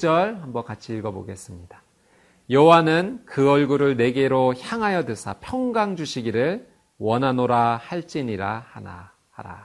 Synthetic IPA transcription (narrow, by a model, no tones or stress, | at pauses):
t͡ɕ͈ʌɭhambʌnkat͡ɕʰiiɭɡʌbo̰ɡe̞s͈ɯmɲid̥a | jʌwanɯnkɯʌɭɡuɾɯɭne̞ɡe̞ɾoçjaŋɦajʌdɯsʰa̰pʰjʌŋɡaŋd͡ʑuɕʰiɡiɾɯɭ | wʌnɦanoɾahaɭt͡ɕ͈iɲiɾahana̰ | haɾa̰